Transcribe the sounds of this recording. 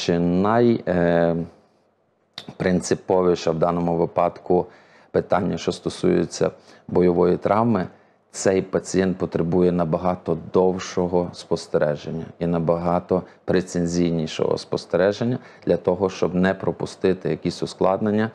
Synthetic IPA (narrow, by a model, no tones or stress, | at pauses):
t͡ʃɪnɐj | pɾɪnt̪sɪpɔʋɪʃɐwd̪ɑnɔmʊʋɪpɑd̪kʊ | pɪt̪ɑnʲːɐʃt͡ʃɔst̪ɔsujɪ̰t͡sʲːɐ̰ | bɔjɔʋɔjit̪ɾʔɑwmɪ | t̪sɛjpɐt͡sʲijɛnt̪̚pɔt̪ɾebujɛnɐbɐɦɑt̪ɔd̪ɔwʃɔɦɔspɔst̪eɾɛʒenʲːɐ̰inɐbɐɦɑt̪ɔpɾet̪senʲzʲijnʲiʃɔ̰ɦɔ̰spɔst̪eɾɛʒenʲːɐd̪̥lʲɐt̪ɔɦɔʃt͡ʃɔbnɛpɾɔpʊst̪ɪt̪ɪjɐkʲisʲʊsklˠɑd̪nenʲːɐ